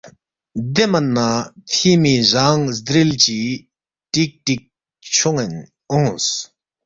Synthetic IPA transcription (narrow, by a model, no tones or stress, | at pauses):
d̪emanat̪ʰiːmizaŋsd̪ɾilt͡ɕi | tik̚tik̚ | t͡ɕʰuŋɛn | ɔŋs